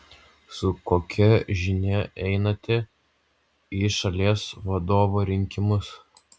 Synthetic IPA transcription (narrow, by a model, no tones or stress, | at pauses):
sʊkoːkʲɛʒʲɪnʲɛʔɛɪnɐt̪ʲɪ | iʃɐlʲiɛsʋɐd̪oːʋoɾʲɪŋʲkʲɪmʊs